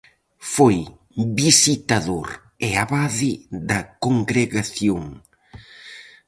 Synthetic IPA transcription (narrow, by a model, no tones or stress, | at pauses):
foj | bisit̪aðo̰ɾ | ɛaβaðɪðɐkoŋɡɾeɣaθjoŋ